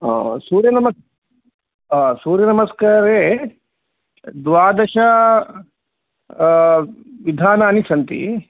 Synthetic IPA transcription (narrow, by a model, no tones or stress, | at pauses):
suːɾjɐnɐmɐ | aːsuːɾjɐnɐmɐskaːɾeː | d̪ʋaːd̪ɐʃa | ʋid̪ʱaːnɐːnisɐnt̪ḭ